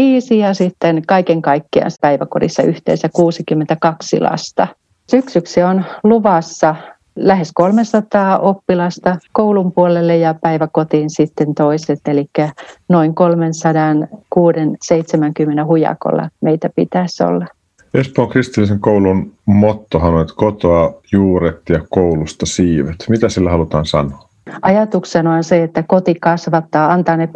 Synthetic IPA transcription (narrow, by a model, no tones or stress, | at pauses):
iːsijɑsit̪ːenkɑikeŋkɑikːiɑ̰nspæiʋæko̰dḭsːɑyht̪ḛːsækuːsikymːent̪ækɑksḭlɑ̰st̪ɑ | syksyksionluʋɑsːɑ | læheskolmensɑt̪ɑːʔopːilɑst̪ɑkoulumpuolelːejɑpæiʋækot̪iːnsit̪ːent̪oiset̪elikːænoiŋkolmensɑdɑnkuːdenseit̪semæŋkymːenehujɑ̰ko̰lːɑ̰meit̪æpit̪æso̰lːɑ | espoːŋkrist̪ilːiseŋkoulunmot̪ːohɑnolit̪kot̪oɑjuːɾet̪jɑkoulust̪ɑsiːʋet̪mit̪æsilːæhɑlut̪ɑːnsɑ̰noː | ʔɑjɑt̪uksenoɑnseet̪ːækot̪ikɑsʋɑt̪ːɑːɑnt̪ɑːne